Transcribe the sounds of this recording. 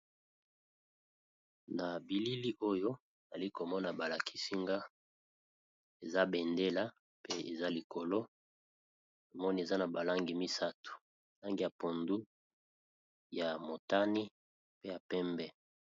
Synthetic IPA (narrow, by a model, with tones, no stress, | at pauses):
na˨bi˨li˦li˦ʔo˦jo˦˨ | za˨li˦ko˨mɔ˦na˨ba˨la˨kʰi̥˦si˦ŋɡa˦ | e˨za˦bɛ˨nde˦la˦ | pe˦ḛ˨za˦li˨ko˨lo˦ | o˨mɔ˦ni˦e˨za˦na˨ba˨la˦ŋɡi˨mi˦sa˦tu̥˨ | la˦ŋɡi˨ja˨po˨ndu˦ | ja˨mo˨ta˦ni˦ | pe˦ja˨pɛ˦mbɛ˦